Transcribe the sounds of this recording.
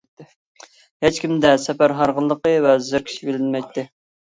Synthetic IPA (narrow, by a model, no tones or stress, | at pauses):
het͡ʃkʲimd̪ɛsɛpæɾɦɑɾʁəlˠːəqəvɛzɪɾkʲʰi̥ʃibelɪnmɛjt̪ʰːɪ